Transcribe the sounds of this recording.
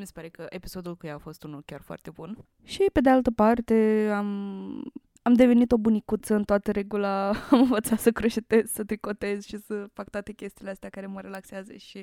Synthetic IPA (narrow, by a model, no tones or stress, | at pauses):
mise̥paɾe̞kəʔepi̥so̞d̪ulkujaːfo̞st̪unulkʲarfoa̰rt̪e̞bun | ʃipe̞d̪ealt̪əpart̪e̞am | amd̪e̞ve̞nit̪o̞bunikut̪səɨnt̪oat̪əɾe̞ɡulaamɨnvət̪sat̪səkɾeʃet̪e̞zsət̪ɾiko̞t̪e̞zʃisəfak̚t̪oat̪e̞kʲe̞st̪iːleast̪eakaɾe̞məɾe̞lakseazə̰ʃi